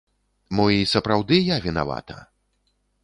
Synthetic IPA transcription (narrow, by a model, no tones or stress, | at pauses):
mɔisɐpɾawd̪ɨjavʲina̰va̰t̪ʰɐ̰